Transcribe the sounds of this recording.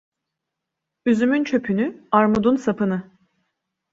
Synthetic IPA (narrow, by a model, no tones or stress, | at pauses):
yzymynt͡ʃʰø̞pʰynyaɾmud̪unsapʰɯnɯ